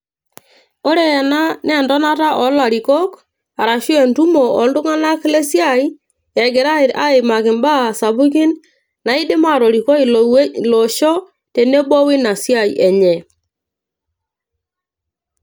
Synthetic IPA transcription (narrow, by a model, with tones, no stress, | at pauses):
ɔ˦ɾɛ˨ɛ˨na˦nɛ˨ndɔ˦na˦ta˦ʔɔ˨˦la˨ɾi˨kɔ˦k | a˨ɾa˨ʃu˦ɛ˨ntu˦mɔ˨ɔ˨ndʊ˦ŋa˦na˦kle˦sja˦˨i˦ | ɛ˨ɡɛ˨ɾa˦ɪ˨ɾa˦ɪ˨ma˨kɪ˨mba˦˨sa˨bu˦ki˦n | na˨ɪ˦dɪ˦ma˦˨ɾɔ˨ɾi˨kɔ˦i˨llɔ˨ʃɔ˦ | te˨ne˦bwɔ˦wɪ˦na˨sja˦˨i˨ʔɛ˨ɲɛ˨